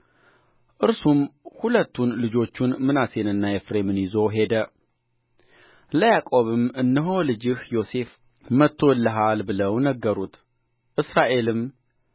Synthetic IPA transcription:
ʔɨɾsumhulət̪ːunlɨd͡ʒo̞t͡ʃːunmɨnase̞nɨnːajɛfɾe̞mɨnjɪzo̞ɦe̞d̪ə | ləjakʼo̞βɨmʔɨnːəɦo̞lɨd͡ʒɪhjo̞se̞f | mət̪ʰːo̞ɨlːəɦalbɨləwnəɡːəɾut̪ʰ | ʔɨsɾaʔe̞lɨm

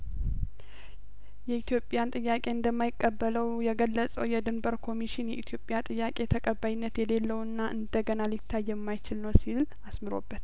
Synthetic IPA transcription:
jɛit̪ʰjo̞pʼːjant̪ʼɨjːakʼe̞ɨnd̪əmːajɪkʼːəbːələwjɛɡəlːəsʼəwjɛd̪ɨmbəɾkʰo̞miʃɪnjɛʔit̪ʰjo̞pʼjat̪ʼɨjːakʼe̞t̪ʰəkʼəbːajɪnːət̪jɛle̞lːəwɨnːaʔɨnd̪əɡənalɪt̪ʰːajːɛmːajt͡ʃɪlnəwsil | asmɨɾo̞̰bːət̪

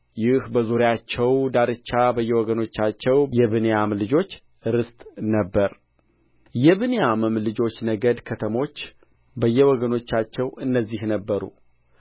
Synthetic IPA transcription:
jɪhbəzoɾjat͡ʃːɛwd̪aɾɨt͡ʃːabəjːɛwɔɡəno̞t͡ʃːat͡ʃːɛwjɛβɨnejamlɨd͡ʒo̞t͡ʃː | ɾɨst̪ʼnəbːəɾ | jɛβɨnejamɨmlɨd͡ʒo̞t͡ʃːnəɡəd̪kʰət̪ʰəmo̞t͡ʃː | bəjːɛwɔɡəno̞t͡ʃːat͡ʃːɛwɨnːəzːihnəbːəɾṵ

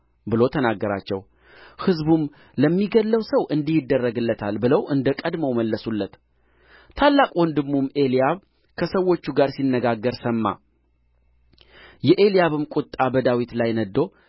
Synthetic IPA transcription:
bɨlo̞t̪ʰənaɡːəɾa̰t͡ʃːɛw | hɨzbum | ləmːiɡəlːəwsəwʔɨnd̪ihɪd̪ːərːəɡɨlːət̪ʰalbɨləwʔɨnd̪əkʼəd̪məwməlːəsulːət̪ʰ | alːakʼond̪ɨɡmume̞lijaβ | kʰəsəwːo̞t͡ʃːuɡaɾsinːəɡaɡːəɾsəmːa̰ | jɛʔe̞lijaβɨmkʼʊt̪ʼːabəd̪awit̪lajnəd̪ːo̞

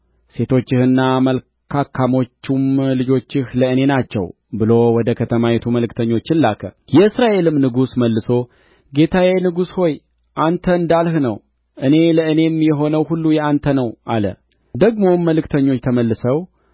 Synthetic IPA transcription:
se̞t̪ʰo̞t͡ʃːɪhɨnːaməl | kʰakʰːamo̞t͡ʃːumlɨd͡ʒo̞t͡ʃːɪhləɨne̞nat͡ʃːɛ̰w | bɨlo̞wɔd̪əkʰət̪ʰəmajɛt̪ʰuməlɨkt̪ʰəɲːo̞t͡ʃːɨnlːakʰə̰jɛɨsɾaʔe̞lɨmnɨɡusməlːɨso̞ | ɡe̞t̪ʰawenɨɡusho̞j | ʔant̪ʰəɨnd̪alhnəw | ʔɨne̞ləɨne̞mjɛɦo̞nəwhulːujɛant̪ʰənəwʔalə̰ | d̪əɡmo̞mːəlɨkt̪ʰəɲːo̞t͡ʃːt̪ʰəməlːɨsəw

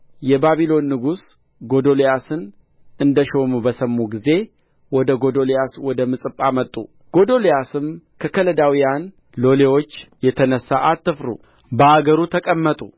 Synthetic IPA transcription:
jɛbaβilo̞nːɨɡus | ɡo̞d̪o̞lejasɨn | ɨnd̪əʃo̞mubəsəmːuɡize̞ | wɔd̪əɡo̞d̪o̞lejaswɔd̪əmɨsʼɨpʼːamət̪ʼːṵ | ɡ̥o̞d̪o̞lejasɨmkʰəkʰələd̪awijan | lo̞lewo̞t͡ʃːjɛt̪ʰənəsːaʔat̪ːɨfɾṵ | bəaɡəɾut̪ʰəkʼəmːət̪ʼu

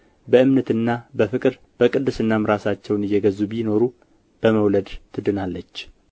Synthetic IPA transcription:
bəɨmnət̪ɨnːabəfɨkʼɨɾ | b̥əkʼɨd̪ːɨsɨnːamɾasat͡ʃːɛwnɨjːɛɡəzubino̞ɾu | b̥əməwləd̪t̪ʰɨd̪ɨnalːət͡ʃː

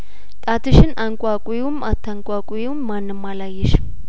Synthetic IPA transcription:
t̪ʼat̪ʰɨʃɪnaŋkʷʼakʼujewʊmat̪ʰːaŋkʼakʷʼuewmːanːɨmːalajːɛʃ

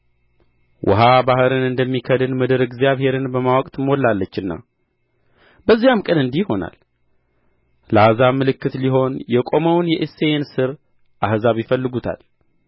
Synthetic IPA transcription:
wʔɔ̰ɦabahɨɾɨnɨnd̪əmːikʰəd̪ɨnmɨd̪ɨɾɨɡzijaβhe̞ɾɨnbəmawɔkʼt̪molːalːət͡ʃːɨnːa̰ | bəzːijamkʼənɨnd̪ihho̞na̰l | lazamːɨlɨkːɨt̪liɦo̞njɛkʼo̞məwnjɛʔeseensɨɾ | ʔahzaβjɪfəlːɨɡut̪ʰa̰l

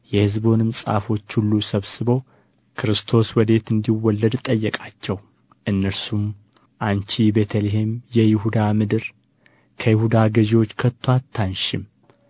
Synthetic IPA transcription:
jɛhɨzbo̞nɨmsʼa̰fo̞t͡ʃːhulːusəβsɨbo̞ | kʰɨɾɨst̪ʰo̞swɔd̪e̞t̪ɨnd̪iwɔlːəd̪t̪ʼəjːɛkʼat͡ʃːɛw | ʔɨnːəɾsum | ʔant͡ʃibe̞t̪ʰəleɦe̞mjɛjɪhud̪amɨd̪ɨɾ | kʰəjɪhud̪aɡəʒewo̞t͡ʃːkʰət̪ʰːwat̪ʰːanʃɪm

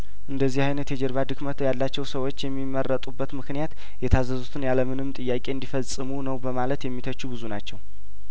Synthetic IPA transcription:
ʔɨnd̪əzːihajnət̪jɛd͡ʒɛɾβad̪ɨkmət̪ʰjalːat͡ʃːɛwsəwo̞t͡ʃːjɛmːimərːət̪ʼubːət̪mɨknijat̪ | jɛt̪ʰazəzut̪ʰɨnjaləmɨnɨmt̪ʼɨjːakʼe̞ɨnd̪ifəsʼɨmunəwbəmalət̪jɛmːit̪ʰət͡ʃːuβɨzunat͡ʃːɛw

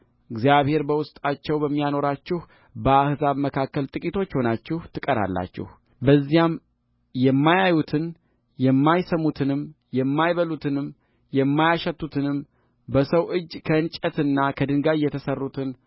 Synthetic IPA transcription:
ɨɡzijaβhe̞ɾbəwʊst̪ʼat͡ʃːɛwbəmːijano̞ɾat͡ʃːɪh | bəahzaβməkʰakːəlt̪ʼɨkʼit̪ʰo̞t͡ʃːho̞nat͡ʃːɪht̪ʰɨkʼəɾa̰lːa̰t͡ʃːɪ̰h | bəzːijam | jɛmːajajut̪ʰɨn | jɛmːajsəmut̪ʰɨnɨm | jɛmːajβəlut̪ʰɨnɨm | jɛmːajaʃɛt̪ːut̪ʰɨnɨm | bəsəwʔɨd͡ʒːkʰəɨnt͡ʃʼət̪ɨnːakʰəd̪ɨŋɡajːɛt̪ʰəsərːut̪ʰɨn

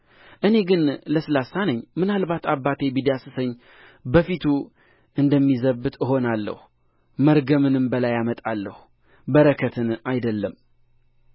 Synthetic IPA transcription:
ʔɨne̞ɡɨnləsɨlasːanəɲːmɨnalbat̪ʰabːat̪ʰe̞bid̪jasɨsəɲː | bəfit̪ʰu | ɨnd̪əmːizəβːɨt̪ʰɨɦo̞nalːə̰hu | məɾɡəmɨnɨmbəlajamət̪ʼalːəh | bəɾəkʰət̪ʰɨnajd̪əlːəm

